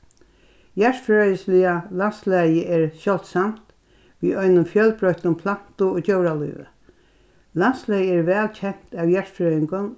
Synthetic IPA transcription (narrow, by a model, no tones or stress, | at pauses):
jæɹfɹœjəslɪalanslæjəʔɛɹsjɔl̥t̪samt̪ | ʋiːɔjnʊmfjœlpɾɔht̪ʊmpʰlan̥t̪ʊoːt͡ɕowɾalṵːʋə̰ | lanslæjəɛɹʋɛːlt͡ɕʰɛn̥t̪aːwjæɹfɾœjɪŋkʊn